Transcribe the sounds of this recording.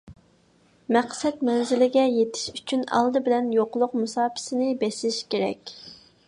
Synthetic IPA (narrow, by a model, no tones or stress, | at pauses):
mɛqsɛt̪mɛnzɪlɪɡʲɛjet̪ʰɪ̥ʃy̥t͡ʃʰynɑ̰lˠd̪ɨbɪlɛnjoqʊlˠʊqmusɑːpʰɪ̥sɪnɪbɛsɪlɪʃkʲeɾɛ̰kʲ